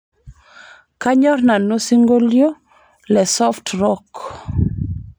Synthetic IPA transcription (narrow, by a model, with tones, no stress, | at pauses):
ka˦ɲɔ˦rna˨no˦si˦ŋɡo˦ljo˦ | lɛ˨sɔ˦ftrɔk